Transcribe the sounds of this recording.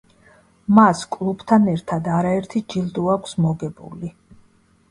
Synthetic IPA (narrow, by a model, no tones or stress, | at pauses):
maskʼlˠub̥t̪ʰanɛɾt̪ʰad̪aɾaɛɾt̪ʰid͡ʒild̪uakʷʰsmɔɡɛbṵli